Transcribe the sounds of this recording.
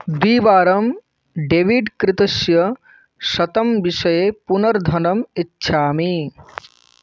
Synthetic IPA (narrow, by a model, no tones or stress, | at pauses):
d̪iːʋaːɾɐm | ɖeːʋiɖkɾɪt̪ɐʃjɐ | ʃɐt̪ɐmbiʃɐjepunɐɾd̪ʱɐnɐmitːʃʰaːmi